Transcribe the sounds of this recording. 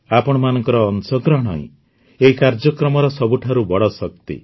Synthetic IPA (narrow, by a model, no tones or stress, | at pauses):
apɔɽ̃ɔmanɔŋkɔɾɔːnsɔɡɾɔɦɽ̃ɔ̰ɦḭ̃ | eɦikaɾd͡ʒɔkɾɔmɔɾɔsɔbuʈʰaɾubɔɽɔsɔkt̪ḭ